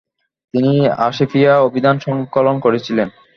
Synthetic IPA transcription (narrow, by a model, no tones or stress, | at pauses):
t̪inia̰ʃefiaobʱid̪anʃɔŋkolonkoɾet͡ɕʰilen